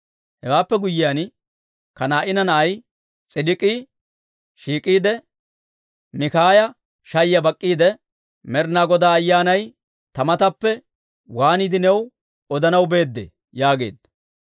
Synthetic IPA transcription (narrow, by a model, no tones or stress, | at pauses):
hɛwaːpːɛɡʊjːɪjan | kɐnaːʔɪnɐnɐʔɐj | t͡sʼɪdɪkʼiː | ʃiːkʼiːd̪ɛ | mɪkaːjɐ | ʃɐjjɐbɐkʼːiːd̪ɛ | mɛɾnaːɡɔd̪aːɐjːaːnɐj | t̪ɐmɐt̪ɐpːɛ | waːniːd̪ɪnɛw | ɔd̪ɐnɐwbe̞ːd̪ːḛː | jaːɡe̞̰ːd̪ɐ